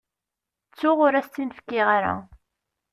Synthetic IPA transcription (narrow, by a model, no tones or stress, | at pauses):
t͡sːʊʁʊɾæst̪ːinfkːɪʁaɾæ̰